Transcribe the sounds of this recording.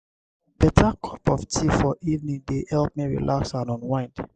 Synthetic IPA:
b̥ɛtʰakʰɔpɔftʰifɔʔivnĩdehɛlp̚miɹḭlʔaksãnɔ̃nwãɪ̃nd

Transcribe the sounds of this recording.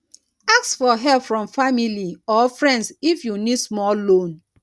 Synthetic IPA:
aksfɔɦɛpfɹɔ̃mfamiliɔfɹɛ̃ndsifjunidsmɔllõn

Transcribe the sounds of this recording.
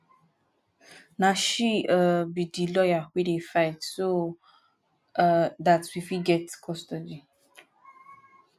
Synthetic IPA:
naʃiəbidilɔjahwiɾifaɪtso | datwifiɡɛtkʰɔstɔdi

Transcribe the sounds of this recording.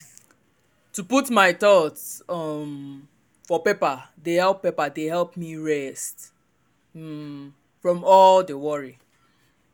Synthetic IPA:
tuputmaɪt̪ɔtsʌm | fɔpepadehɛlˠpːepadeɦɛlpmiɹɛst | fɹɔ̃mɔldewɔɹi

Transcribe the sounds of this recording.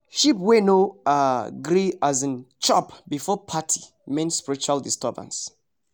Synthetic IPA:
ʃipwenoaɡɾiazə̃nt͡ʃɔpbifɔpʰatʰi̥ | mẽnspiɹit͡ʃualdistɛbə̰̃ns

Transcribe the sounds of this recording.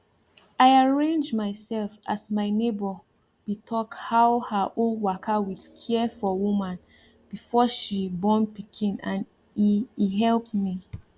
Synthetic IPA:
ʔaɪaɹẽnd͡ʒmaɪsɛlfʔasmaɪnebɔ | bitʰɔkhaʊhəʔolwakʰawið̥kʰɛfɔwumãn | b̥ifɔʃibɔ̃npikʰĩnãn | ɦɛlˠpmi

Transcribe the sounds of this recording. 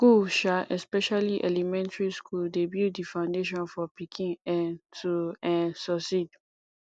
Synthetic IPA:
ɡ̥uʃaʔɛspɛʃaliʔɛlɛmɛ̃ntɹiskʰuldebidifãʊ̃ndeʃɔ̃nfɔpikʰĩnɛ̃ntuɛ̃nsɔsid

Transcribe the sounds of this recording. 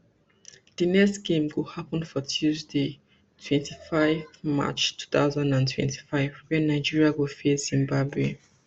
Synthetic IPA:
d̥inɛkstɡ̥ẽmɡohapə̃nfɔtʰjuzde | tʰwɛ̃ntʰifaɪfvma̰t͡ʃtʰu̥θa̰ʊzãndãntʰwɛ̰̃ntʰi̥faɪvwɛnaɪd͡ʒiɹiaɡofezĩmbabwe

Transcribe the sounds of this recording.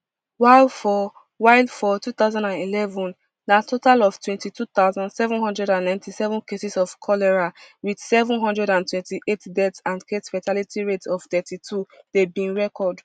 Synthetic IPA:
waɪlfɔ | waɪldfɔtut̪aʊzãndãnilɛvɔ̃n | datʰotalɔv̥twɛ̃ntitut̪aʊzãndsɛvɔ̃nɦɔ̃ndɹɛɾãnnãɪ̃ntʰisɛvɔ̃nkesisɔvkʰɔlɛɹawid̥sɛvũnɦɔ̃ndɹɛɾãntwɛ̃ntiʔetdɛtsãndɡetfatʰalitiɹetsɔv̥t̪ɛtitʰudebĩnɹɛkɔd

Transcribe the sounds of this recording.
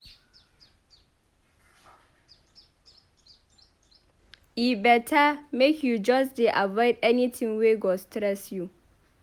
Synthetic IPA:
ibɛtʰamekʰjud͡ʒɔsdeʔavɔɪdɛnitʰĩŋweɡɔstɾɛsju

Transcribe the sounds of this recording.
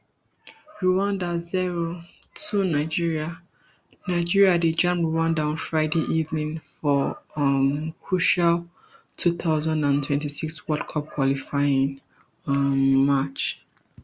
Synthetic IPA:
ɹuwãndaziɹo | tʰunaɪd͡ʒiɹia | naɪd͡ʒiɹiaded͡ʒãmpɹuwãndaɔ̃nfɹaɪdeʔivnĩŋfɔ | mkʰɹuʃal | tʰuθaʊzãndãntʰwɛ̃ntisikswɔtkʰɔp̚kʰwɔlifaɪĩn | mat͡ʃ

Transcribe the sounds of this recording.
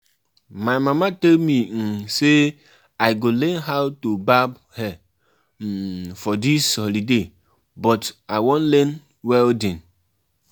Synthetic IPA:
maɪmamatelmiŋ̩se | aɪɡolɛnɦaʊtobab | hɛ | m̩fɔdishɔlide | bɔtaɪwõnlɛn | wɛldin

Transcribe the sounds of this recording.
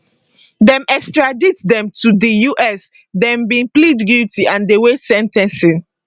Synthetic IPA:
dɛ̃mɛkstɹaditdɛ̃mtudijuʔɛs | dɛ̃mbĩplidɡitiãndewesɛ̃ntɛ̃nsĩn

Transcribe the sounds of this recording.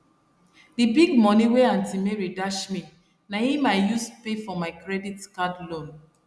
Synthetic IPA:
dibiɡmɔniweãntimeɹidaʃmi | nahimaɪjuspefɔmaɪkɹɛditkadlõn

